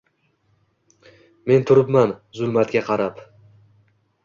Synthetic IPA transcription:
me̞nt̪ʰʊɾɪpmanzʊlˠmat̪kʲaqʰɑɾap

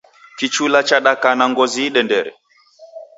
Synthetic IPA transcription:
kit͡ʃulat͡ʃaɗakanaŋɡɔziɗɛndɛɾɛ̰

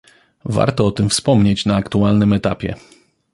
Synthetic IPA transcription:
va̰ɾt̪ɔɔt̪ɘmfspɔmɲet͡ɕnaːkt̪ualnɘmɛt̪apʲjɛ̰

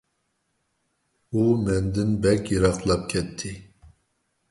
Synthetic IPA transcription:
umɛnd̪ɪnbɛkʲjiɾɑqlˠɑp̚kʲʰɛt̪ʰːɪ

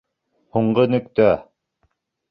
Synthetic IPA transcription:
huɴɢɤnɵ̆kt̪æ

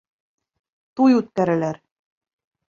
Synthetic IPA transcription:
t̪ujʉt̪̚kæɾɘ̆læɾ

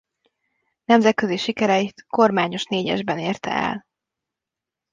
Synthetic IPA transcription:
nɛmzɛt̪̚køziʃikɛɾɛjit̪ko̞rmaːɲo̞ʃneːɟɛ̰ʒbɛneːrt̪ɛ̰ɛ̰l

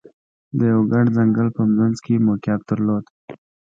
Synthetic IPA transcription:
d̪əjawɡaɖzaŋɡəlpəmɾanzkʰemokjɑb̚d̪̥əɾlod̪̥

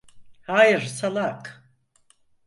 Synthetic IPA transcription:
haːjɪɾsalˠakʰ

